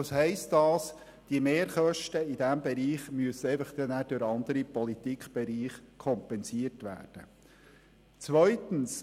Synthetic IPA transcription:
ɑshɛɪstɑːs | d̥iəmeːɾχœʃtəid̥æmbɛɾiːχmyəsəɛɪfəχd̪̥ɛnæːɾd̥ʊɾɑnd̥̪əɾipɔlit̪ikʰb̥ɛɾiːχkʰɔmpɛnsiərtʋæ̰ːrd̥ə̰ | t͡sʋœʏt̪ən̩s

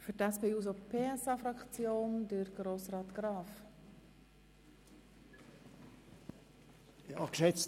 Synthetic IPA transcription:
fyɾtæspeːuːz̬opʰeːɛsɑːfɾɑkt͡sjoːndəɾɡ̥ɾoːsrɑːt̪ɡ̥ɾɑːf | jɑkʃɛt͡s

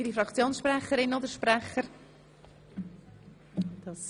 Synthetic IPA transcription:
iɾifɾɑkt͡sjoːnsʃpɾɛχəɾɪnod̪əɾʃpɾæχəɾ | d̥̪ɑ

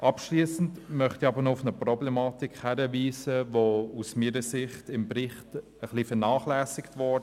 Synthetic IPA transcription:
ʔɑpʃliːsn̩tmœχtiɑbəɾnoʊfnəprɔblɛmɑːtikhæɾəviːsəʋousmiːɾəsɪχtɪmbɾɪχt | əχlifɛnɑːχlæːsɪktʋɔ

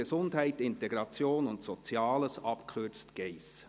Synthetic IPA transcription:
əzʊndhæɪtɪnteɡɾɑt͡sjoːnʊntsot͡sjɑːləsɑpkʰʏt͡stɡ̥eɪs

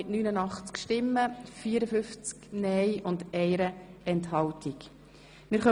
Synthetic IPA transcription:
ɪtnyːnənɑχt͡skʃtɪmːəfiːəɾəfʏft͡sknɛjʔʊndɛɪɾəɛnthɑltʰik | mɪɾχœ

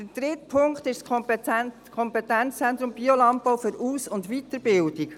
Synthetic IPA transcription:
d̥əd̥ɾɪtpʰʊŋktɪʃskʰ | kʰɔmpɛt̪ɛnt͡st͡sɛnt̪ɾʊmb̥iolɑmppɔwfʏɾuːsʊndʋit̪əɾb̥ɪldik

